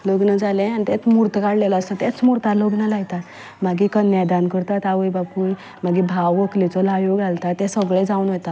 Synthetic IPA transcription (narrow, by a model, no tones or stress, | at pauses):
loɡnəd͡zalẽanit̪et͡smuɾt̪əkaɽlelaəst̪at̪ɛt͡smuɾt̪aɾloɡnalaɡt̪at̪ | maɡikənjad̪ankəɾt̪at̪aʋəjbapuj | maɡibʱawʋoklit͡sɔlajoɡalt̪at̪ɛsəɡɭed͡zaunɦot̪a